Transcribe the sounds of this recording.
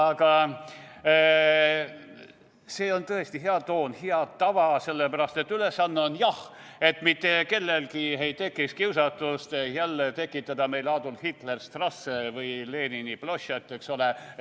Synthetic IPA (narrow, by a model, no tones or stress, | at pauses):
ɑɡ̥ɑ | se̞ːo̞nt̪ɤest̪iɦeɑt̪o̞ːnhiɑt̪ɑvɑse̞lːepæɾɑst̪et̪ːyle̞sːɑnːeonjɑh | e̞t̪mit̪ːe̞ke̞lːelkihej̚t̪e̞kːˑikskiwsɑt̪ːust̪ejælːet̪e̞kːˑit̪ːˑɑd̪̥ɑme̞jlɑːd̪ulhit̪lerst̪rɑsːevɯjle̞ːniniploɕɑt̪ːˑeksole